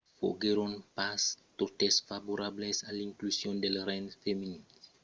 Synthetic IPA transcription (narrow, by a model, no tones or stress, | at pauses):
fo̰ɡeɾɔ̃npast̪ot̪ɛsfavoɾablesalĩŋklusjɔ̃nd̪elɾɛnfemini